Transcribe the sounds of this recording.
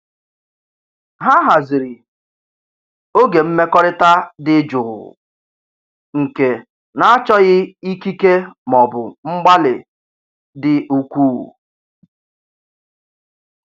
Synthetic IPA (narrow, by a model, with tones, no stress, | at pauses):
ɦa˦ɦa˨zɪ˨ɾɪ˨ | o˦ɡe˨m̩˦me˦kɔ˦ɾɪ˦ta˦dɪ˦d͡ʒʊ˨ɣʊ̰˨ | ŋ̩˨ke˨ | na˨a˦t͡ʃɔ˦ɣɪ˦i˦ki˦ke˦mɔ˨bʊ˨ŋ͡m̩˦ɡ͡ba˦lɪ˨ | dɪ˨u˨kʷuː˦˨